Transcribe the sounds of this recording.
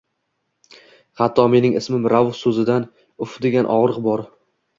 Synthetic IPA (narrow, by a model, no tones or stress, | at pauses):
hat̪ʰːɒme̞nɪŋɪsmɪmɾavhsɵzɪd̪an | ʊfd̪e̞ɡʲanʔɒʁɾɨqbɒɾ